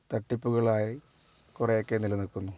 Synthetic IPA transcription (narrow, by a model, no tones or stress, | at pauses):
t̪ɐʈːipːuɣɐɭaːji | kurejo̞kːe̞nilɐnilkːunːu